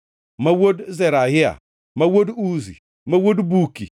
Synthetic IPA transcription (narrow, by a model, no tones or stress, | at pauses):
mawodzeɾaɦɪa̰ | mawoduzḭ | mawodbuki